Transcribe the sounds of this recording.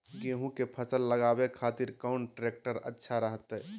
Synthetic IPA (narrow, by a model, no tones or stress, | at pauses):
ɡeɦũkepʰəsəlːəɡabekʰaːt̪iɾkɔʊnʈɾeːk̚ʈəɾə̰tːʃʰaɾəɦət̪ɛ